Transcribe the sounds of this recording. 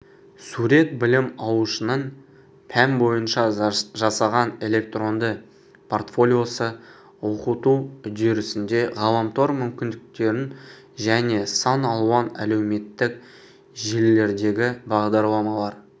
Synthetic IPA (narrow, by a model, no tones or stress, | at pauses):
suɾe̞t̪̚bɪlɪmɑw̪ˠuʃənən | pʰæmbo̞jənʃɑʒɑsɑʁɑne̞lʲe̞k̚t̪ro̞nd̪ə | pʰo̞rt̪fo̞lʲijo̞sə | wo̞qət̪uʏd̪eɾɪsɪnd̪e̞ʁɑlˠɑmt̪oɾmʏmkʲɪnd̪ɪk̚t̪e̞ɾɪn | ʒæne̞sɑnɑlˠuɑnæ̰le̞wme̞t̪ːɪk̚ | ʒelːe̞ɾd̪e̞ɡʲɪbɑʁd̪ɑɾlˠɑmɑlˠɑɾ